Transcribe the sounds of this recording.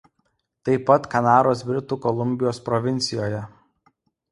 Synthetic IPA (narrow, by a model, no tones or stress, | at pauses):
t̪ɐɪpːɐt̪kɐnɑːɾoːsbʲɾʲɪt̪uːkɔlˠʊmʲbʲɪjoːspɾɔʋʲɪnʲt̪sʲɪjoːjɛ